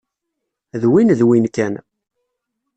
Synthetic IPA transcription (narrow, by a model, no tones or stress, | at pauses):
ðwinðwinkæn